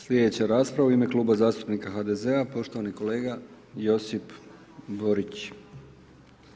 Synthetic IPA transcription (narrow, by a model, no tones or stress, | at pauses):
slʲed̪e̞t͡ɕaɾaːspɾaʋeoime̞kluːbazaːst̪upnikaxad̪e̞ze̞apo̞ʃt̪o̞ʋaniko̞le̞ːɡa | jo̞sip | bo̞ɾit͡ɕ